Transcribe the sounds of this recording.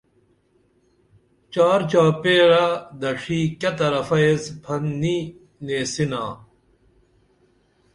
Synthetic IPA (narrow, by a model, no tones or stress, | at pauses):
t͡ɕaːɾt͡ɕaːpeːɾad̪ɐʂiːkɐt̪ɐɾɐfɐesbʰɐnːi | neːsinaː